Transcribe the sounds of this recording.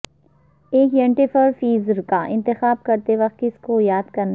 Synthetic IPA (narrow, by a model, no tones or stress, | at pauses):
eːkjẽɳʈifʰəɾfiːzɾkaʔɪ̃nt̪ɪxaːb̚kɐɾt̪eʋɐk̚t̪kɪskojaːd̪kɐɾn